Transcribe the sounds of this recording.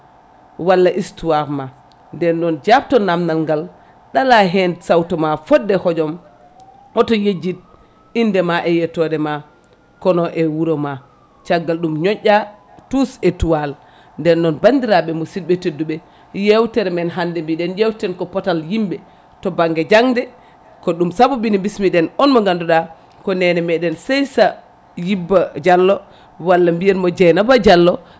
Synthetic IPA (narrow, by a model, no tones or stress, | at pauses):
walːaʔistuwaɾma | ndɛnɗɔnd͡ʒap̚tɔnamnalŋɡal | ɗalaɦɛnsawtɔmafɔdːɛhɔd͡ʒɔm | ɔtɔjed͡ʒit̚ | indɛmaʔɛjɛtɔdɛma | kɔnɔʔɛwuɾɔma | t͡ʃaɡːalɗumɲɔɲʔʲa | tusɛtuwal | ndɛnːɔnbandiɾaɓɛmɔsidɓɛtedːuɓɛ | jewtɛɾmɛnɦandɛmbiɗɛnjewtɛnkɔpɔtaljimbɛ | tɔbaŋɡɛd͡ʒaŋdɛ | kɔɗumsabubinimbismiɗɛnɔnmɔŋɡanduɗa | kɔnɛnɛmɛɗɛnsɛjsa | jibːad͡ʒalːɔ | walːambijɛnmɔd͡ʒɛnabad͡ʒalːɔ